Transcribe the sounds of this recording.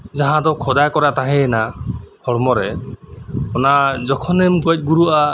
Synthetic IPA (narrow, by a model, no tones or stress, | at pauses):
d͡ʒaɦãd̪ɔkʰɔd̪ajkɔɾat̪aɦɛ̃nahɔɽmɔɾɛ | ɔnad͡ʒɔkʰɔnɛmɡɔt̪̚ˀɡuɾuʔa